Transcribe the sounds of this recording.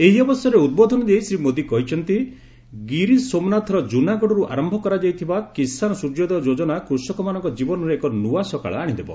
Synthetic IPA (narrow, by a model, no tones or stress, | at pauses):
eɦiɔbɔsjɔɾeud̪̚bod̪ʱɔnɔd̪eisɾimod̪ikɔɦit͡ʃʰɔnt̪i | ɡiɾisomnat̪ʰɔɾɔd͡ʒunaɡɔɽɔɾuʔa̰ɾɔmbʱɔkɔɾad͡ʒajt̪ʰibakisanɔsud͡ʒɔd̪eɔd͡ʒod͡ʒɔnakɾusɔkɔmanɔŋkɔd͡ʒibɔnɔɾeekɔnuasɔka̰ɭɔaɽ̃id̪ebɔ̰